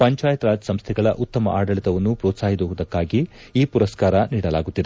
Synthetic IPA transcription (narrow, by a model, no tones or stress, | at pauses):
pɐɲt͡ʃaːjɐt̪ɾaːd͡ʒɐsɐmst̪ʰɛɡɐɭɐ̰ʔut̪ːɐmɐ̰ʔaːɖɐɭit̪ɐʋɐnːupɾɔːt̪saːɦid̪oud̪ɐkːaːɡi | iːpuɾɐskaːɾɐniːɽɐlaːɡut̪ːid̪e